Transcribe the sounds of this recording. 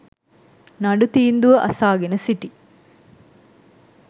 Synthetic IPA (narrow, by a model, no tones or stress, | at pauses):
nɐɖut̪iːnd̪uʋəʔɐsaːɡenəsiʈi